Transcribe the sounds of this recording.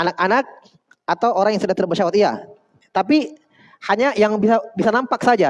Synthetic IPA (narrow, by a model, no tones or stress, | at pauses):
anak̚anak̚ | at̪awoɾaŋjaŋsudaht̪ərbəʃawat̪ia̰ | t̪ap̬i | haɲajaŋbisabisanampaksad͡ʒa